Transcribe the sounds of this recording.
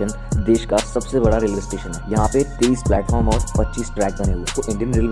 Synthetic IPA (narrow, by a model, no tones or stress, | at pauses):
ən | d̪eːʃkasɐbsebɐɽaɾɪlʋɪsʈeːʃənɦɛːjɐɦãpet̪eiːsplɛːʈfʰɔːɾmɔːɾpɐtːt͡ʃiːsʈɾɛːk̚bɐneɦuet̪oʔɪ̃ɳɖijənɾɪl